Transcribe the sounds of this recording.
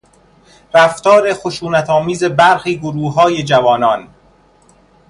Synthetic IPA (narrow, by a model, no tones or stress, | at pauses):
ɾæft̪ɒːɾe̞xoʃuːnæt̪ʰɒːmiːze̞bæɾxiːɡoɾuːɦɒːje̞d͡ʒævɒːnɒːn